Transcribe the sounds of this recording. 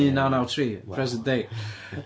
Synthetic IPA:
ĩnaʊ̃naʊtʰɹiːpʰɹ̥ɛzə̃nd̥eɪ

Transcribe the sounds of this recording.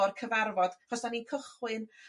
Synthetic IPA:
rkʰəvarvɔd̥rɔsd̥aninkʰəχwɨn

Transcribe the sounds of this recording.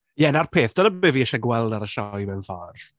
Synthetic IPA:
jɛnarpʰeːθd̥ɔdəbɨviːɛʃɛɡwɛlˠdaɾəʃɔwmɛnfaːr

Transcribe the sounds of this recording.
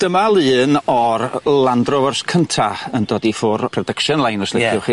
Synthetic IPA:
d̥əmalˠɨːnɔrlˠandrɔvɔrskʰəntʰaəndɔːdifʊrpʰrɔdəkʃɔnlˠajnɔslɪkʰjʊχiː

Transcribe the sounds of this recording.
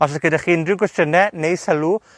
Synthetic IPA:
aɬɛɡ̥ədaχiːndrɪwɡwɛstənɛnejsəlu

